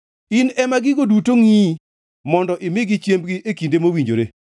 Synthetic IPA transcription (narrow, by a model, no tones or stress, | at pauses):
inɛmaɡɪɡodutoŋi | mɔndɔʔɪmɪɡɪt͡ʃjembɡiʔekindemowiɲd͡ʒoɾḛ